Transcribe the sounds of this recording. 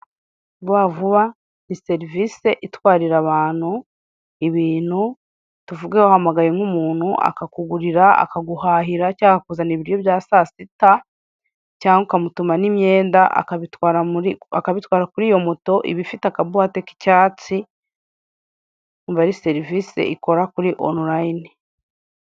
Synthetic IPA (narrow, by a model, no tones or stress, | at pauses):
βwavuβa | nise̞ɾivise̞ʔitwaːɾiɾaβaːn̥hu | iβiːn̥hu | tuvuɡewahamaɡajeŋumuːn̥huʔa̰kakuɡuɾiɾaa̰kaɡuhaːɦiɾacaːakakuzaniβiɾijo̞βjaːsasita | caːŋɡukamutumanimje̞ːndaʔa̰kaβitwaːɾaakaβitwaːɾakuɾiːjo̞moto̞ʔḭβifitakaβuhateki̥caːt͡si | uɱvaɾise̞ɾivisḛʔiko̞ɾakuɾiʔo̰nuɾajni